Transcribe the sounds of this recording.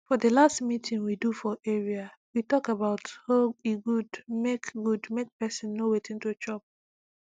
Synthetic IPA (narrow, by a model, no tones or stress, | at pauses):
fɔdəlastmitʰĩŋwidufɔʔɛɹiawitɔkabaʊthoiɡudmekɡudmek̚pɛsĩnːowetĩntut͡ʃɔp̚